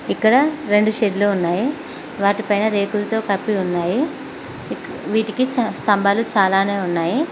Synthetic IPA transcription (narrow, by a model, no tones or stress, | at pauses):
ikːɐɽɐɾe̞ɳɖuʃeɖluːunːaːji | ʋaːʈipɐjnɐɾe̞ːkult̪o̞ːkɐpːiunːaːji | ʋiːʈikit͡ʃst̪ɐmbaːlut͡ʃaːlaːne̞ːunːaːji